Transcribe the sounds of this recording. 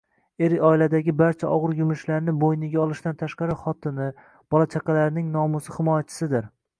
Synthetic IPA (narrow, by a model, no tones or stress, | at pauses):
eɾɒɪlad̪aɡʲɪbaɾt͡ʃʰaʔɒʁɨɾjʊmɪʃlaɾnɪbojnɪɡʲaɒlˠɪʃt̪ant̪ʰaʃqɑɾɪχɒt̪ʰɪnɪ | b̥ɒlˠat͡ʃʰaqɑlaɾnɪŋnɒmʊsɪhɪmɒjat͡ʃʰɪ̥sɪd̪ɪɾ